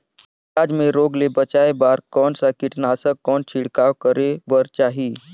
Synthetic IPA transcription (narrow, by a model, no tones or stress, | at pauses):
kad͡zmeɾoɡlebət͡ɕajbaɾkɔɳsakiʈnasəkːɔɳt͡ɕʰiɽkaʋkəɾebəɾt͡ɕaɦi